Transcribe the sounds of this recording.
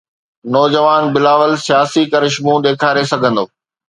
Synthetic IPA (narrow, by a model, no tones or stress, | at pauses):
nɔːd͡ʑəʋaːnbɪlaːʋəlsijaːsikɐɾɪʃmũɗ̪eːkʰaːɾesɐɡʱə̃nd̪oː